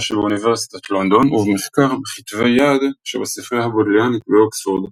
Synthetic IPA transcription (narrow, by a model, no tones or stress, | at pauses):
ʃebeuniveʁsi̥t̪at̪lond̪onuvemeχkaʁbeχit̪vejad̪ʃebasifʁehabod̪leanikbeoksvuʁd̪